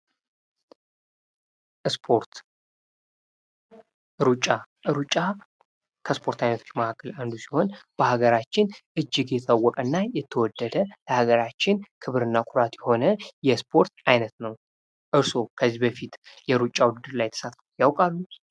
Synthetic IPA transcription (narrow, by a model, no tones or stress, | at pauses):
spʰoɾt̪ | ɨɾut͡ʃʼːa | ɾut͡ʃʼːa | kʰəspʰo̞ɾt̪ʰajnət̪ʰot͡ʃːməhakʰːəland̪usi̥ho̞nb̥əhaɡəɾat͡ʃːɪnʔɨd͡ʒːɪɡjɛt̪ʰawːɔkʼənːajɛt̪ʰːəwɔd̪ːəd̪ələhaɡəɾat͡ʃːɪnkʰɨβɨɾɨnːakʼʊɾat̪jɛho̞nəjɛspʰo̞ɾt̪ajnət̪nəw | ʔɨɾso̞kʰəzːibəfit̪ | jɛɾut͡ʃʼːawʊd̪ɨd̪ɨɾlajɛt̪ʰə̥sat̪fjawkʼalːu